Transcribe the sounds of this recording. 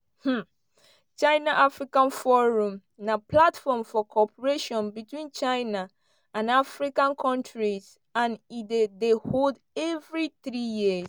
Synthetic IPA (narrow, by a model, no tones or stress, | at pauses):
h̩ | t͡ʃaɪnaʔafɹikãnfɔɹũm | naplatfɔmfɔkʰɔpʰəɹeʃɔ̃nbitwĩnt͡ʃaɪna | ãnafɹikãnkʰɔ̃ntɹiz | ãnidedehold | ɛvɹiθɹijiz